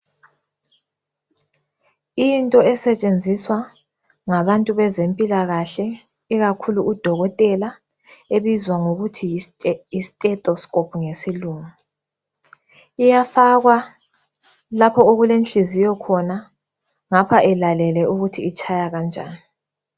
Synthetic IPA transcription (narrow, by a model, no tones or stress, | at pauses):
intʼɔɛsɛt͡ʃʼend͡zʱiswa | ŋaβantʼuβɛzempʼilaɣaɬɛ | iɣakʰuluud̥ʱɔɣɔtʼɛla | eβizwaŋoɣutʰiisi̥tʼɛtʼɔskʼopʰuŋesiluːma | ijafaɣwa | lapʰɔoɣulenɬizijɔkʰɔna | ŋapʰaʔɛlalɛlɛʔuɣutʰiːt͡ʃʰajaɣand͡ʒʱa̰ːni